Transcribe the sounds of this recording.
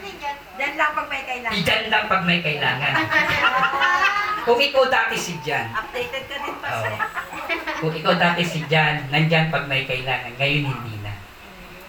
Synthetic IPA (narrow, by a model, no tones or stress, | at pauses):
d͡ʒanlɐŋpɐɡ̚mɐjkɐʔɪlaɪd͡ʒanlɐŋpɐɡ̚mɐjkɐʔɪlaːŋɐn | kʊŋʔɪkawd̪aːt̪ɪsɪd͡ʒanɐp̚d̪ejt̪ɛd̪̚kɐd̪ɪnpɐo̰ʔ | kʊŋɪkawd̪aːt̪ɛsɪd͡ʒanːɐnd͡ʒanpɐɡ̚mɐjkɐʔɪlaːŋɐnŋɐjonhɪnd̪ḭːnɐ̰